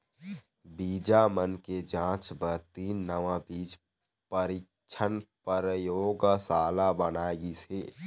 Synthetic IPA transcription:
biːd͡ʒamənked͡ʒãːt͡ʃbəɾt̪iːnːəʋabiːd͡ʒ | pəɾik | t͡ʃʰənpəɾjoːɡsaːlabənaːeɡiseː

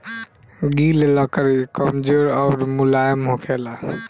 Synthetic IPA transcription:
ɡillɔkəɾikəmd͡ʒoɾawɾmulajəmɦokʰela

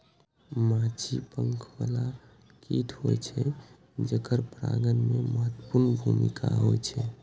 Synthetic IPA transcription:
mãt͡ʃʰipəŋkʰʋala | kit̪ʰɦojt͡ʃʰɛ | d͡ʒəkəɾpɾaɡənmeməɦət̪ːəpuɾnbʱumḭkʰaɦojt͡ʃʰɛ

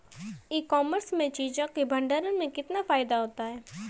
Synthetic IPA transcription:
iːkɔːməɾsmẽt͡ʃiːd͡ʒõkebʱɐ̃ɳɖəɾənmẽkɪt̪nafaːɪd̪aɦoːt̪aɦɛː

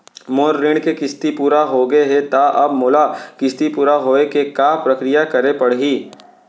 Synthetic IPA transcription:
moːɾːɪɽ̃kekɪst̪ipuːɾaɦoɡɐeɦɛt̪aʔɐbmoːlakɪst̪ipuːɾaɦoːekekaːpɾɐkɾɪjakɐɾepɐɽɦiː

